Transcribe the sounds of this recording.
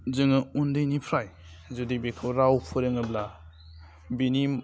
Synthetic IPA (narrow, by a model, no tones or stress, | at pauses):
zɯŋəundɯjnipʰɾaj | zɔdibekʰɔwɾawpʰɯɾeŋɯbla | binim